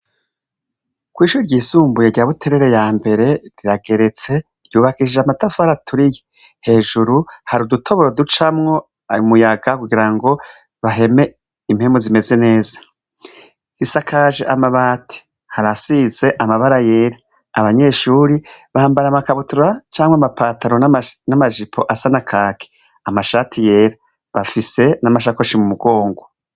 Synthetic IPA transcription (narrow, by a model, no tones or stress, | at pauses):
kwiːʃuːɾiɾɟiːsuːmbujeɾɟaːβutʰe̞ɾe̞ɾe̞jaːmbe̞ɾe̞ɾiɾaɡe̞ɾe̞t͡se̞ | ɾjuːβakiʃiʒamatafaɾatʰuɾije | he̞ːʒuɾuhaɾudutʰo̞βo̞ɾodut͡ʃamŋo̞ | mujaɡakuɡiɾaŋɡo̞ | βaɦe̞me̞ | im̥he̞mozime̞ze̞ne̞ːzḁ | hisakʰaːʒeʔamaβaːtʰi̥ | haɾasize̞ʔamaβaɾaje̞ɾaː | βaɲe̞ːʃuːɾiβaːmbaɾamakaβutuɾat͡ʃaːmweamapaːtaɾo̞nanamaʒipʰo̞̰ʔasanakʰaːkʰe̥ | amaʃatʰije̞ːɾa | βafise̞namaʃ̬akoʃimumuɡo̞ːŋɡo